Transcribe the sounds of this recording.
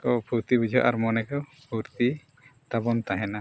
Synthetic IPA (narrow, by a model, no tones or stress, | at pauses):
kɔpʰuɾt̪ibud͡ʒʱɔʔa̰ɾmɔnɛkɔ | pʰuɾt̪i | t̪abɔnt̪aɦɛna